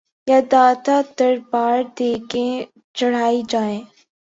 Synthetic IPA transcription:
jaːd̪aːt̪ad̪ɐɾbaːɾd̪eːke | t͡ʃɐɽ̤aːid͡ʒaːẽː

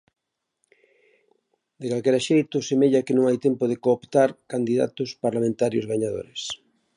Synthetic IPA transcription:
d̪ekalkɛɾaʃejt̪ʊsemeʎakɪnõŋajt̪ɛmpʊðɪkoːpt̪aɾkand̪iða̰t̪ʊspaɾlamẽnt̪aɾjo̰zβaɲað̞o̰ɾɪs

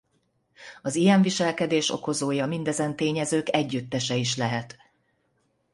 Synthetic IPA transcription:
ɒzijɛɱviʃɛlkɛd̪eːʃo̞̰ko̞zoːjɒmind̪ɛzɛnt̪eːɲɛzøːkɛɟːyt̪ːɛʃɛiʃlɛɦɛt̪

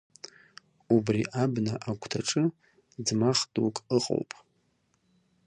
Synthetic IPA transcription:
ubriʔabnaʔaɡʷʰʼtʰaʈ͡ʂʼɨ | d͡zmaχdʼukʼəqʼo̰wpʼ

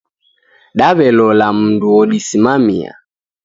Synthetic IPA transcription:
ɗaβɛlɔlam̩nduɔɗisimamia̰

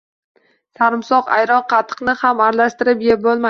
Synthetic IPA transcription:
saɾɪmsɒqa̰jɾɒnqʰɑt̪ʰɨ̥qnɪhamaɾlaʃt̪ɪɾɪpjep̚bolˠma

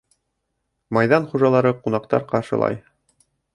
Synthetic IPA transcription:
mɑjðɑnχuʒɑlˠɑɾɤqunɑqt̪ɑ̰ɾqɑɾʃɤ̆lˠɑ̰j

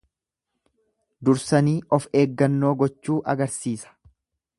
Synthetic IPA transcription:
d̪ʊɾsɐniːʔɔfeːɡːɐnːo̞ːɡɔt͡ʃːuːʔɐɡɐɾsiːsɐ̥

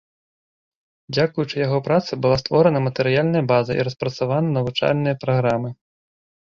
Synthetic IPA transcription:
d͡zʲakujut͡ʂɨjaɣɔpɾat̪sɐbɨlˠast̪vɔɾɐnɐmɐt̪ɛɾɨjalʲnɐjɐbazɐʔḭɾɐspɾɐt̪savanɐnɐvut͡ʂa̰lʲnɨjɐpɾaɣɾamɨ

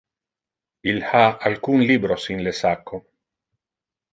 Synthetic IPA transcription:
ilhaalkunlibɾosinlesakːo

